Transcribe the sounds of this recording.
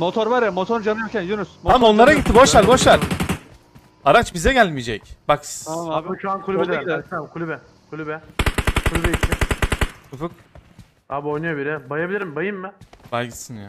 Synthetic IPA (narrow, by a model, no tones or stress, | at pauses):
mot̪ʰoɾvaɾjamot̪ʰoɾd͡ʒamɯjocʰʲɛnjunushamaonlˠaɾaɟit̪ʰːibo̞ʃlaɾboʃˠaɾ | aɾat͡ʃbizɛɟælʲmijed͡ʒɛcb̥aksaʃuankʰulʲybɛd̪amkʰulʲybɛ | kʰulʲybɛkʰulʲybɛitt̪ʰːɪ | ufɯk | abojnujobiɾɛbajabilʲiɾimbajɯmːɪbalʲɡisɯnjaː